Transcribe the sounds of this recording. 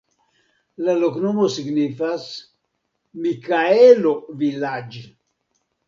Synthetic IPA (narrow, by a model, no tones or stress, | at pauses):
laloknomosiɡnifas | mikaelovilad͡ʒ